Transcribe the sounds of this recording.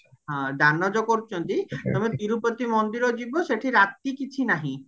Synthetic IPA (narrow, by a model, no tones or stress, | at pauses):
ɦɔ̃d̪anːɔd͡ʒɔkoɾut͡ʃʰɔnt̪it̪ɔmet̪iɾupot̪imond̪iɾɔd͡ʒibɔseʈʰiɾat̪ikit͡ʃʰinaɦĩ